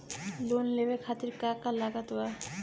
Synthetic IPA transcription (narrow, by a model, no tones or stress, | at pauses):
lonlebekʰat̪iɾkakalaɡat̪oa